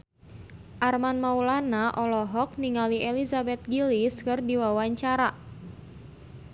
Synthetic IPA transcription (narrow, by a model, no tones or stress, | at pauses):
ʔarmanmaulanaʔɔlɔɦɔk̚niŋaliʔelizabɛt̪̚ɡiliskɨrdiwawaɲt͡ʃaɾa